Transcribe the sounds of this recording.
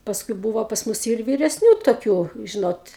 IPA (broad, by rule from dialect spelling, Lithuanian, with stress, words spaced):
pɐsˈkʊɪ ˈbuːʋoː pɐs ˈmʊs jɛʊ ɪr ʋʲiːrʲɛsʲˈnʲuː toːˈkʲuː ˈʒʲɪnoːt